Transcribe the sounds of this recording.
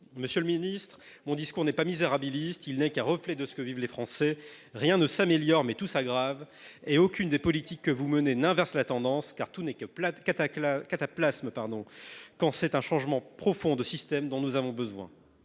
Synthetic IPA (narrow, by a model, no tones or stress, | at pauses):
məsjøləminist̪χ | mɔ̃d̪iskuʁnɛpamizeʁabilist̪ilnɛkɛ̃ʁəflɛd̪əsə̥kəvivlefχɑ̃sɛ | ʁjɛ̃nəsameljɔʁmɛt̪usaɡʁaveokʲynd̪epɔlit̪ikːəvumənenɛ̃vɛʁslat̪ɑ̃d̪ɑ̃skaʁt̪unɛkət̪akat̪aplasmpaʁd̪ɔ̃kɑ̃sɛt̪ɛ̃ʃɑ̃ʒmɑ̃pχɔfɔ̃d̪əsist̪ɛmd̪ɔ̃nuzavɔ̃bəzwɛ̰̃